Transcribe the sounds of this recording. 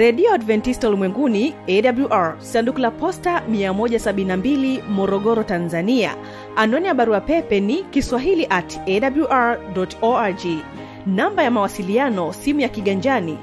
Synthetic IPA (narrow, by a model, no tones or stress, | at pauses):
ɾɛɗiɔadvɛntistɔlimwɛŋɡuniɛɗabljuʔaɹsandukulapɔstamiamɔʄasaɓininambilimɔɾɔɠɔɾɔtanzania̰ | anɔnijaɓaɾuapɛpɛnikiswaɦiliʔatɛɗabluʔaɹɗɔtɔad͡ʒi | nambajamawasilianɔsimujakiɠaɲd͡ʒani